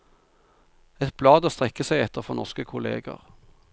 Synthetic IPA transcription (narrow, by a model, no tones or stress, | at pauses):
ɛt̪̚b̥lɑːd̪əst̪ʁɛkːəsæɪɛt̪ʰəʁfɔnɔʁskəkʰʊlḛːɡə̰ʁ